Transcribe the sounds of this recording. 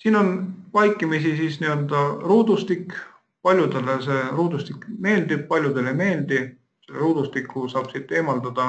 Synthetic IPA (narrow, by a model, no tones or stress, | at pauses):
siːno̞nvɑjkˑːimisisisniø̞ld̪ɑruːd̪̥ust̪ikː | pɑlʲjud̪̥e̞lese̞ruːd̪ust̪ikme̞ːld̪ib̥̚pɑlʲjud̪̥e̞le̞jme̞ːld̪̥i | seleɾuːd̪̥ust̪ikːusɑːb̥sit̪ːˑe̞ːmɑld̪ɑd̪̥ɑ